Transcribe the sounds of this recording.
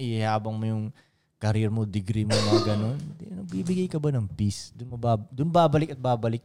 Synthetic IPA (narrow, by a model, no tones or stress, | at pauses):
ʔɪhaːbɐŋmojʊŋ | kɐɾɛɾmod̪ɪɡɾimomɐɐɡɐno̞nd̪ɛnɐɡ̚biːbɪɡajkɐbanɐŋpisd̪ʊnmɐbad̪ʊnbaːbɐlɪkɐt̪̚baːbɐlɪk̚